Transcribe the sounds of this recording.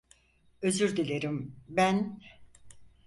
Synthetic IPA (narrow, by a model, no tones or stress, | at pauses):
øzyɾd̪ilʲeɾimbæn